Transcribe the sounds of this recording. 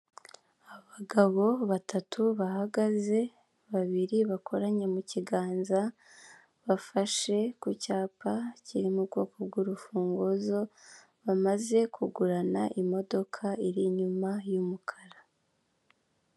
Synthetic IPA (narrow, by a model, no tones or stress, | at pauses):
aβaɡaβo̞βatʰatʰuβahaɡaze̞ | βaβiɾiβako̞ɾaɲemuciɡaːnza | βafaʃe̞kucaːpaciɾimuɾɡo̞ːko̞bɡuɾufuːŋɡozo̞ | βamaze̞kʰuɡuɾanaʔimo̞do̞kʰaiɾiɲumajumukʰḁɾḁ